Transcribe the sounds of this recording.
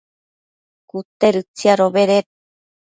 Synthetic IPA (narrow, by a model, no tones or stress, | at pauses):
kut̪eɾɨt͡siaɾoβeɾet̪̚